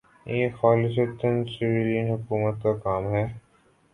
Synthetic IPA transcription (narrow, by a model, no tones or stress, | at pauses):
jeːxaːlɪs̬ət̪ənsɪʋɪljənɦʊkuːmət̪kakaːmɦɛː